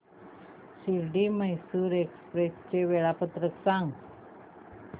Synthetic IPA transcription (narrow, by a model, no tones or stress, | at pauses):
siɾɖiməjsuɾekspɾest͡ʃeweɭapət̪ɾəksaŋ